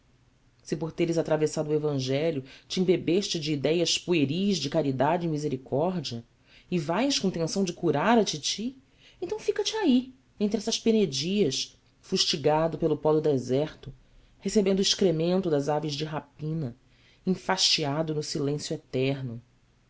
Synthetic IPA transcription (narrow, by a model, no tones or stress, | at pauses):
sɪpoɾt̪eɾɪzat̪ɾavesad̪ʊuevɐ̃ʒɛljʊt͡ʃĩbebeʃt͡ʃɪd͡ʒɪːd̪ɛjɐʃpueɾiɐzd͡ʒɪkaɾid̪ad͡ʒɪĩmizeɾikʰɔɾd͡ʒiɐ | ɪvajʃkõt̪ẽsɐ̃w̃d͡ʒɪkuɾaɾɐt͡ʃit͡ʃi | ẽnt̪ɐ̃w̃fikɐt͡ʃɪai | ẽnt̪ɾɪɛsɐʃpened͡ʒiɐʃ | fuʃt͡ʃiɡad̪ʊpelʊpɔd̪ʊd̪ezɛɾt̪ʊ | hesebẽnd̪ʊiʃkɾemẽnt̪ʊd̪ɐzavɪzd͡ʒɪɦapĩnɐ | ĩfaʃt͡ʃiad̪ʊnʊsilẽsjʊet̪ɛɾnʊ